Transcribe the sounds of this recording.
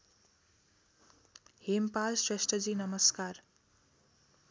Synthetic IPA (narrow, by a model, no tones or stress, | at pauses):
hempalsɾeʃʈəd͡ʒiːnʌməskaːɾ